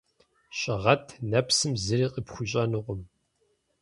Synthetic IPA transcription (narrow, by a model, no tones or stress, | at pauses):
ɕʼɐʁɐtʰnɐpsɨmzɨriːqʼipχʷʊɕʼɐnɨʁʷʊm